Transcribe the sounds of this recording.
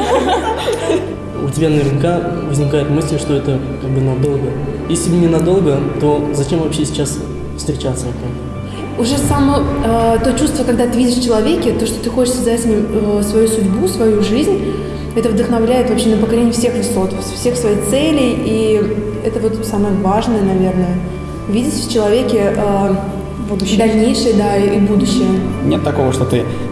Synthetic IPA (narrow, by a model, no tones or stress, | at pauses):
ʊ̰tʲɪbʲanəvʲɪrnʲɪka | vəzʲnʲɪkajɪt̪mɨsʲlʲʂt̪o̞ɛt̪ə | kaɡ̚bɨnɐd̪o̞lˠɡəjesʲlʲɪbnʲɪnɐd̪o̞lˠɡət̪o̞zɐt͡ɕe̞mvɐpɕːesʲɪ̥t͡ɕas | fst̪ɾʲɪt͡ɕat̪səvɐkʲamʲ | ʊʐɛsɐmoət̪o̞t͡ɕust̪vəkɐɡ̚d̪at̪ɨvʲidʲɪʂft͡ɕɪlˠɐvʲekʲɪt̪o̞ʂt̪ot̪ɨxo̞t͡ɕɪʂsʲəzɛtʲɪmʲɪəsvɐjusʊdʲbusvɐjuʐɨzʲnʲ | ɛt̪əvd̪əxnɐvlʲæjɪt̪vɐpɕe̞nəpəkɐlʲenʲɪjəfsʲexvʲɪso̞t̪əfsfsʲe̞xsvɐjejt̪sɛlʲɪji | ɛt̪əvo̞t̪saməjəvaʐnəjənɐvʲe̞rnəjə | vʲidʲɪt̪ʲəft͡ɕɪlˠɐvʲekʲɪʔə | d̪d̪ɐlʲnʲejʂɨjəd̪aiʔibud̪ʊɕːɪjənʲet̪ːɐko̞vəʂt̪ot̪ɨ